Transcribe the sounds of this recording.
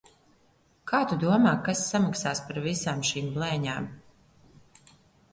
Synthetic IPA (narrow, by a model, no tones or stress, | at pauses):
kʰaːt̪ud̪uɔmaːkasːamaksaːspaɾvisaːmʃiːmblɛːɲa̰ːm